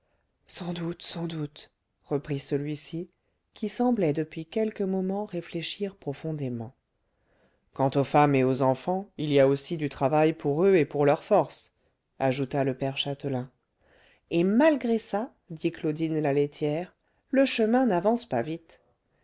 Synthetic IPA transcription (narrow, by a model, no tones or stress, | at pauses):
sɑ̃d̪ut̪sɑ̃d̪ut̪ | ʁəpχisəlɥisi | kʲisɑ̃blɛd̪əpɥikʲɛlkəmɔmɑ̃ʁefleʃiʁpχɔfɔ̃d̪emɑ̃ | kɑ̃t̪ofameozɑ̃fɑ̃ilijaosid̪yt̪χavajpuʁøepuʁlœʁfɔʁs | aʒut̪aləpɛʁʃat̪əlɛ̃ | emalɡʁesa | d̪iklod̪inlalet̪ʰjɛʁ | ləʃəmɛ̃navɑ̃spa̰vit̪